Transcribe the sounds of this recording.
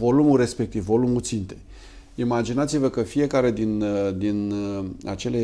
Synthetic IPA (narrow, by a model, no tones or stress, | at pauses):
vo̞lumulɾe̞spe̞k̚t̪ivːo̞lumut̪sint̪e̞ | imad͡ʒinat̪sivəkəfije̞kaɾe̞d̪ind̪ina̰t͡ʃe̞le̞